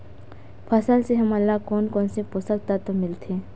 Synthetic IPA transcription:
pʰɐsəlseɦɐmɐlːakɔːnkɔːnseposək̚t̪at̪omɪlt̪ʰeː

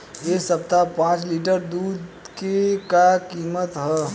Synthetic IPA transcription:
esəp̚t̪apãːt͡ʃliʈəɾd̪uːd̪ | kekakiːmət̪ɦɛ

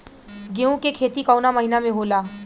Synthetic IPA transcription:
ɡeũkekʰeːt̪ikɔwnaməɦinamẽɦoːlaː

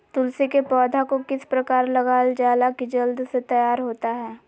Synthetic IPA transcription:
t̪ʊlsekepɔːd̪ʱakokɪspɾɐkaːɾlɐɣaːld͡ʒaːlakid͡ʒɐld̪set̪ɐjaːɾɦoːt̪aɦɛː

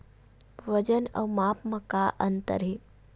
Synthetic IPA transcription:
ʋəd͡ʒənə̰wmaːpməkaʔənt̪ə̰ɾɦi

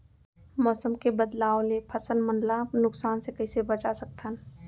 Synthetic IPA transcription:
mɔːsəmkebəd̪laːolepʰɐsənmə̃nlanʊksaːnsekɐɪsebət͡ʃasək̚t̪ʰən

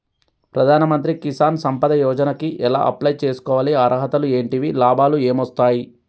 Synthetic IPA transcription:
pɾɐd̪ʱaːnɐmɐnt̪̬ɾikisaːnsɐmpɐd̪ɐjɔːd͡ʒɐnɐkiʔɛla̰ːʔɐ̰plɐjt͡ʃeːsu̥kɔːʋaːliaɾʔɐɦɐt̪ɐlue̞ːɳʈiʋilaːbʱaːlueːmɐst̪aːji

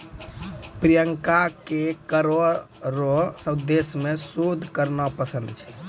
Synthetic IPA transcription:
pɾijəŋkakekəɾɔ | ɾɔsəbd̪esmesod̪ʱkəɾnapəsə̃nd̪ʱt͡ʃʰɛ̥

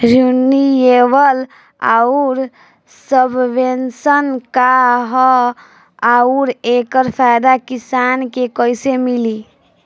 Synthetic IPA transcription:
ɾunːieʋəl | a̰uɾ | səbʱbensənkaɦɔ | auɾekəɾpʰajd̪akisankekəjsemili

